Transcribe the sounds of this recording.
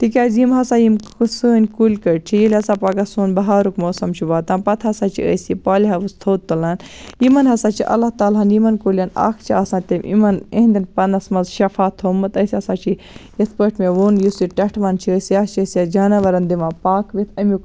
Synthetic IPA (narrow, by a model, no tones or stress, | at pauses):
t̪ikʲaːzjimɦɐsaːjimkɨsəːnʲkulʲkɐʈ̚t͡ʃʰijelʲɐsaːpaːkɐsuːnbɐɦaːɾukmoːsɐmt͡ʃʰiʋaːt̪ãːnpɐt̪ʰɦɐsaːt͡ʃʰḭə̰sipaːlʲiɦɐʋɨst̪ʰoːt̪t̪ːɨlaːnjimɐnɦɐsaːt͡ʃʰiʔɐ̰lɐht̪aːlɦɐnimɐnkulʲɐna̰ːkʰt͡ʃʰiaːsaːnt̪ɐmʲʔḭmɐnḛɦnd̪inpɐnɐsmɐzʃɐfaːt̪ʰɦoːmɐt̪ɐsʲɐsaːt͡ʃʰi | espəːʈmeʋoːnjusiʈɐʈʰʋɐnt͡ʃʰiəsjaːst͡ʃʰəsjad͡ʒaːnɐʋɐɾɐnd̪imaːpaːkʋit̪ʰɐmʲuk